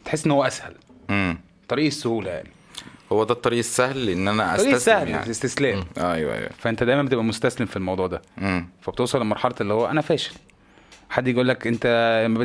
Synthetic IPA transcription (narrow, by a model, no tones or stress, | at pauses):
et̪ħesːʔenːhowːæʔæshælem | t̪ˤɑɾiːʔesːohuːlæja̰ʕni | howːæd̪æt̪ˤːɑɾiːʔesːæhlʔenːʔænæʔæ̰ɑɾːʔsːæhl̰est̪eslæːmʔʔæjwæ̰ʔæ̰jwæ̰fæʔent̪æd̪æjmæmbet̪ebʔæmost̪æslemfilmɑwd̪ˤuːʕd̪æʔeːfæb̥et̪ewsˤɑlːelmɑɾˤħɑlɑt̪ʔelːihowːæʔænæfæːʃe̥l | ħad̪ːjeʔuːlːækʔent̪æmæbe